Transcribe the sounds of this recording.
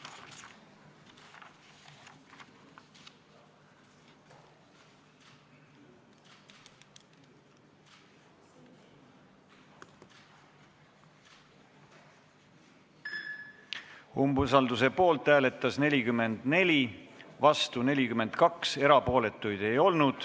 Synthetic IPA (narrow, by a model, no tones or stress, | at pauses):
umbus̬ɑld̪̥us̬e̞po̞ːlt̪ˑːæːle̞t̪ːˑɑsne̞lʲikymːe̞nd̪̥ne̞lʲivɑst̪une̞lʲikymːe̞nd̪̥kɑkse̞ɾɑpo̞ːle̞t̪ːˑujd̪̥e̞jo̞lnud̪̥